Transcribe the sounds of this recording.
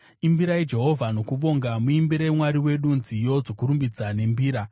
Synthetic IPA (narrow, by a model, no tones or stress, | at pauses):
imbiɾaid͡ʒe̞ɦo̞vʱano̞kuʋo̞ŋɡamuimbiɾaimwaɾiwe̞ɗunzijo̞d͡zo̞kuɾumbid͡zane̞mbiːɾa